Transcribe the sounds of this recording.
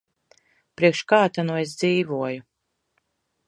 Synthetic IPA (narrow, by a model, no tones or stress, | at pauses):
pɾiɛkʃkaːt̪anues̬d̪ziːvuɔju